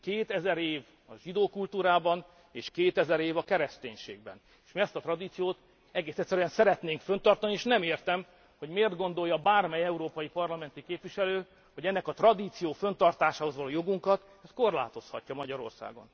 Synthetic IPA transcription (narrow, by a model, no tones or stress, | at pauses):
keːt̪ɛzɛɾeːv | ɒʒid̪oːkult̪uːɾaːbɒn | eːʃkeːt̪ɛzɛɾeːvɒkɛɾɛst̪eːɲʃḛːɡ̚bɛ̰n | eːʃmiɛst̪ɒt̪rɒd̪iːt̪sijoːt̪ | ɛɡeːsɛt̪sːɛɾyjɛnsɛɾɛt̪neːŋkfønt̪ɒrt̪ɒnieːʃnɛmeːrt̪ɛm | ho̞ɟmeːrd̪ɡo̞n̪d̪o̞jɒbaːrmɛjɛuɾoːpɒjipɒrlɒmɛnt̪ikeːpviʃɛløː | ho̞ɟɛnːɛkɒt̪rɒd̪iːt̪sijoːfønt̪ɒrt̪aːʃaːho̞zʋɒloːjo̞ɡuŋkɒt̪ | ɛst̪̚ko̞rla̰ːt̪o̞shɒ̰cːɒmɒɟɒɾo̞̰rsa̰ːɡo̞̰n